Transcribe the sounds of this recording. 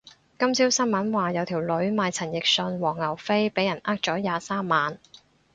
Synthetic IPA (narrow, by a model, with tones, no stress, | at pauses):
kɐ˥msiː˥wsɐ˥nmɐ˨˥nwaː˨jɐ˨˧wt̪ʰiː˨˩wlɵ˨˧˥ɥmaː˨˧jt͡sʰɐ˨˩njɪ˨k̚sɵ˧nwɔː˨˩ŋːɐ˨˩wfe˥jpe˨˥jɐ˨˩nʔaː˥k̚t͡ʃɔː˨˥jaː˨˧saː˥mːaː˨˧n